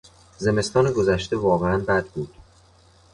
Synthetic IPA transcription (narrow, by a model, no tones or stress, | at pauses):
ze̞me̞st̪ɒːneɡo̞zæʃt̪e̞vɒːɣeænbæd̪̚buːd̪̥